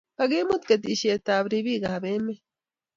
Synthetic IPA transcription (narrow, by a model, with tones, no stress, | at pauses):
kaɡe˦mo˦t̪ket̬i˨ʃe˨taː˨βɾiβiː˦ɡahaβe˦me˦